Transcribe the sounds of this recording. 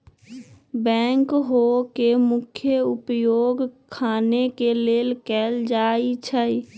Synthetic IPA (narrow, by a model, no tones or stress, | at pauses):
bɛ̃ːŋkɦokemʊkʰjəʊpjoːɡkʰaːnekeleːlkɛːld͡ʒaːit͡ʃʰəj